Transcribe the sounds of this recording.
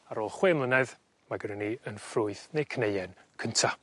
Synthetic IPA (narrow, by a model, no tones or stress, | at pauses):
aɾoːlˠχwemlˠənɛð | maɡəɾəniənfrʊɨθnejkʰnejɛn | kʰəntʰa